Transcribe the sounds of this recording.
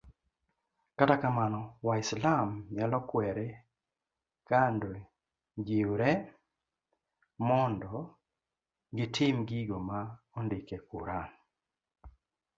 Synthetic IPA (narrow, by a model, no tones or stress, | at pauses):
katakamanɔwaɪslamjalɔkwɛɾɛ | kando | d͡ʒiɾɛ | mɔndɔ | ɡɪtʰɪmɡiɡoma | ondɪkekuɾan